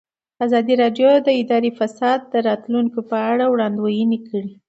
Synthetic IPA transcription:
azɑd̪iɾɑɖjod̪əɪd̪ɑɾifasɑd̪̚ːəɾɑt̪luŋkopəaɽawɽɑnd̪wajənekʰəɽi

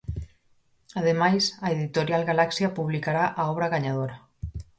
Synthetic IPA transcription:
aðemajsaeðit̪oɾjalɣalaksjapuβlikaɾaʔaɔβɾaɣaɲað̞oɾa

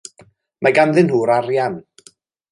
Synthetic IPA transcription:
mʔaɡamðɪnhuːɾaɾjan

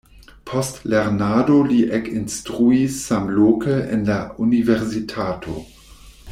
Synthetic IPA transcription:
pʰostleɾnadoliʔekinstʁuisːamlokəʔḛnlauniveɾsitʰaːtʰo̰

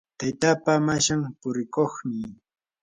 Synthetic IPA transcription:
t̪ajt̪apamaʃampʊɾɪkoχmɪ

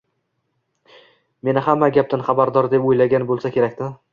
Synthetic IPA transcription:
me̞nɪhamːaɡʲap̚d̪anχɑbaɾd̪ɒɾd̪epojlaɡʲanbolˠsakʲʰe̞ɾakʲt̪ɪ

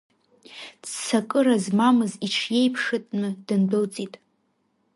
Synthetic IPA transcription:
dsakʼɨɾazmamɨziʈ͡ʂʰje̞jpʰʂɨtʼnɨdɨndɨlt͡sʼitʼ

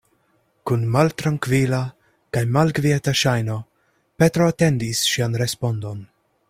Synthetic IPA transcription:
kunmaltɾaŋkvila | kajmalɡvietaʃajno̞ | pe̞tɾo̞ate̞ndisʃianɾe̞spo̞ndo̞n

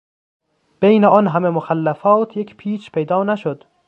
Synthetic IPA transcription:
b̥ejneɒːnɦæmemoxælːæfɒːt̪ʰjecʰpʰiːt͡ʃpʰejd̪ɒːnæʃod̪

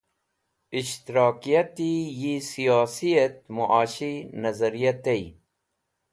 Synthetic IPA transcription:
iɕt̪iɾɑːkijɐt̪ijisijaːsijɐt̪̚muʔaːɕinɐzɐɾijɐt̪ei

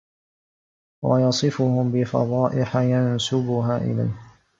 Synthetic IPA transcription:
wɑ̰jɑsˤɨfʊhʊmbɪfɑ̰ðˤɑːʔɪħajansʊbʊɦaːʔɪ̰la̰jh

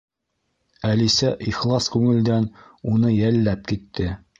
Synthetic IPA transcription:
ælisæʔiχlˠɑskʉŋɘ̆ld̪ænunɤjælːæp̚kit̪ːɘ

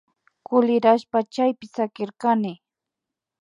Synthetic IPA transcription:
kʊlɪɾaʃpat͡ʃajpɪsakɪɾkanɪ

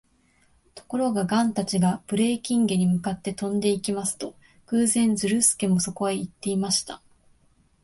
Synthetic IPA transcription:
t̪o̞̥ko̞ɾo̞ɡaɡãnt̪at͡ɕiɡapɯ̟ɾe̞ːkʲĩŋɡe̞ɲ̟imɯ̟kat̪ːe̞t̪õ̞nd̪e̞ikʲimasɨ̥t̪o̞ | kɯ̟ːzẽ̞nd͡zɨɾɯ̟sɨ̥ke̞mo̞so̞ko̞eit̪ːe̞imaɕi̥t̪a

